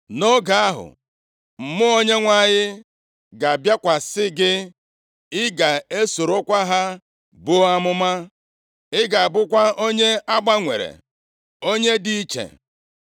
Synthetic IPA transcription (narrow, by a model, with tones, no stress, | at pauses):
no˦ɡa˨a˦ɦʊ̰˨ | m̩˨mʊ˦o˦ɲe˦ŋʷa˦˨ɲɪ˦ | ɡa˨bja˦kʷa˨sɪ˦ɡɪ˦ | ɪ˦ɡa˨e˦so˨ɾo˦kʷa˦ɦa˦ | bʊ˦a˦mʊ˦ma˦ | ɪ˦ɡa˨a˨bʊ˦kʷa˦o˦ɲe˦a˦ɡ͡ba˦ŋʷḛ˨ɾḛ˨ | o˦ɲe˦di˦i˦t͡ʃḛ˨